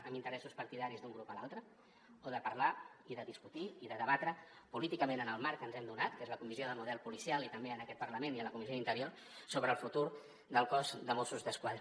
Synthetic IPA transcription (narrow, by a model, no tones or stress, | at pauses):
əmbint̪əɾɛsuspəɾt̪iðaɾizd̪uŋɡɾupəlalˠt̪ɾə | oðəpəɾlaiðəðiskut̪iiðəðəβat̪ɾəpulit̪ikəmẽnənəlˠmaɾkənzɛmd̪unat̪kezləkumizioðəmuð̞ɛlˠpulisialˠit̪əmbeənəkɛt̪̚pəɾləmeniələkumizioðint̪əɾioɾ | soβɾəːlˠfut̪uɾ | d̪əlˠkɔzd̪əmosuzðəskwaðɾə